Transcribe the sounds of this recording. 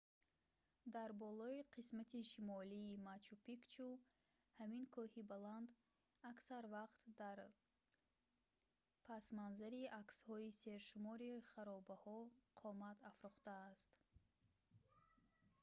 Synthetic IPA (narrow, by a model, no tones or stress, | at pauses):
d̪aɾbɔlɔiqʰismat̪ʰiʃimɔliːmat͡ʃupikt͡ʃʰu | haminkʰɔhibaland̪ | aksaɾvaqt̪d̪aɾ | pʰasmanzaɾiakshɔise̞ɾʃumɔɾiχaɾɔbahɔqʰɔmat̪afɾuχt̪aːst̪